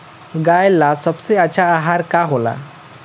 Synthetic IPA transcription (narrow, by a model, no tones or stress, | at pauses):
ɡajlasəbseət͡ɕʰaaɦaɾkaɦola̰